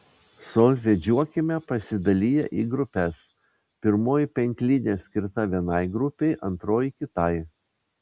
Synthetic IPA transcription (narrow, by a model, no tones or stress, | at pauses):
sɔlʲʋʲɛd͡ʒʲuɔkʲɪmʲɛpɐsʲɪd̪ɐlʲijɛʔiːɡɾʊpʲɛs | pʲɪɾmoːjɪpʲɛŋʲkʲlʲɪnʲesʲkʲɪɾt̪ɐʋʲiɛnɐɪɡɾʊpʲɛɪʔɐnt̪ɾoːjɪkʲɪt̪ɐɪ